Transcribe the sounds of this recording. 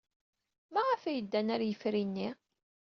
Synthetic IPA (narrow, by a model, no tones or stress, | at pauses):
maʁafæjəd̪ːænæɾjəfɾinːi